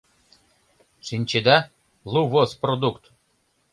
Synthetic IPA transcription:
ʂinʲt͡ɕed̪ɑ | lˠuvosprod̪ukt̪

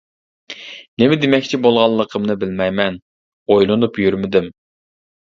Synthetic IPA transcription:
nɪmɪd̪emɛkʲt͡ʃʰibolˠʁɑlˠːəqʰəmnɨbɪlmɛjmɛn | ojlˠɨnupjyɾmɪd̪ɪm

